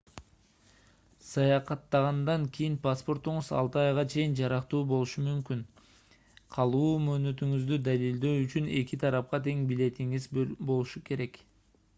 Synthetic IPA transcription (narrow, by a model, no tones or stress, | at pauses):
sɑjɑqɑt̪ːɑʁɑnd̪ɑŋkʰijinpaspo̞rt̪uɴuzɑ̰lˠt̪ɯɑjʁɑt͡ʃʰe̞jind͡ʒɑɾɑqt̪uːbo̞lˠuʃumymkyn | qʰɑlˠuːmø̞ːnø̞t̪yŋyzd̪yd̪alild̪øːyt͡ʃyne̞kit̪ʰɑɾɑp̚qɑt̪ʰe̞ŋbile̞t̪iŋizbo̞lˠuʃuke̞ɾe̞k